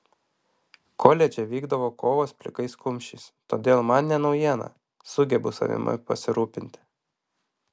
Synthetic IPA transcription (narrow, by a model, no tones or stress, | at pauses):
kʰoːlʲɛd͡ʒʲɛʋʲiːɡd̪ɐʋoːkoːʋoːspʲlʲɪkɐɪskʊmʲʃʲɪst̪oːd̪ʲeːlˠmɐnnʲɛnɒʊjiɛnɐ̰ | sʊɡʲɛbʊsɐ̰ʋʲɪ̰mɐ̰pɐ̰sʲɪɾuːpʲɪnʲt̪ʲɪ